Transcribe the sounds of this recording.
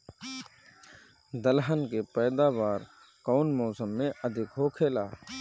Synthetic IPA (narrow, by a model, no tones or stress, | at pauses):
d̪əlɦənkepɛːd̪aːʋaːɾ | kɔːnmɔːsəmːẽʔəd̪ʱɪkɦoːkʰeːlaː